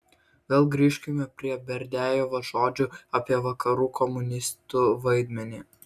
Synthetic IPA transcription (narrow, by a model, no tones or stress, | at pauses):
ʋʲeːlˠɡɾʲiːʃʲkʲɪmʲɛpʲɾʲiɛbʲɛɾʲd̪ʲæːjoːʋɐʒoːd͡ʒʲʊɐpʲiɛʋɐkɐɾuːkʰɔmʊnʲɪst̪uʋɐɪd̪ʲmʲɛnʲiː